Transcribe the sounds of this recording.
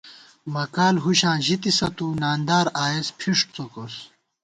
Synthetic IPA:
mɐkaːlɦuɕãːʑit̪isɐt̪uːnaːnd̪aːɾaːespʰiʂʈ̚t͡sokos

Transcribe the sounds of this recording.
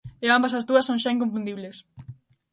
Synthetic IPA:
eambɐsɐzðuɐsːõŋ̃ʃaiŋkoɱfũnd̪iβles

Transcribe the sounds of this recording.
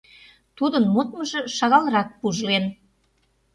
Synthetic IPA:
t̪ud̪ənmot̪̚məʒĕʃɑɣɑlɾɑk̚puʒlen

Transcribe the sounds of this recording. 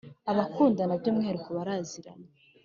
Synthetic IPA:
aβakʰuːndanabɟomŋeɾukoβaɾaziɾa̰na

